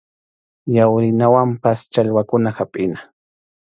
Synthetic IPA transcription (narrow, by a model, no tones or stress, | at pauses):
jawɾɪnawampast͡ʃaʎwakʊnaxapʼɪnḁ